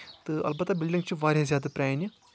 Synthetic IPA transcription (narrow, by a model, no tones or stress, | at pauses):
t̪ɨɐ̰lbɐt̪ːɐbɪlɖĩŋɡt͡ʃʰiʋaːɾʲazjaːd̪ɐpɾʲaːjni